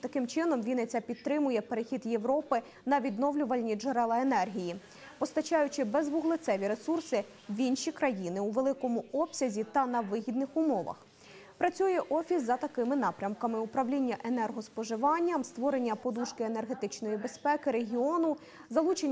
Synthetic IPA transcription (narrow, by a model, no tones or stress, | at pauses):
t̪ɐkɪmt͡ʃɪnɔmʋʲinet͡sʲɐpʲid̪̚t̪ɾɪmʊjɛpeɾexʲid̪jeʋɾɔpɪ | nɐʋʲid̪nɔʋlʲʊʋɐlʲnʲid͡ʒeɾɛlˠɐenɛrɦʲiji | pɔst̪ɐt͡ʃɑjʊt͡ʃɪbezʋʊɦlˠɪt̪sɛʋʲiɾe̞sursɪ | ʋʲinʃʲikɾɐjinɪuʋelˠɪkɔmʊɔpsʲɐzʲit̪ɐnɐʋɪɦʲid̪nɪxʊmɔʋɐ̰x | pɾɐt͡sʲujɛʔɔfʲisːɐt̪ɐkɪmɪn̪ɑpɾʲɐmkɐmɪʊpɾɐʋlʲinʲːɐʔenɛrɦɔspɔʒɪʋɑnʲːɐmst̪ʋɔɾe̞nʲːɐpɔd̪uʃkɪene̞rɦe̞t̪ɪt͡ʃnɔjibe̞spɛkɪɾe̞ɦʲiɔnʊ | zɐlˠut͡ʃenʲː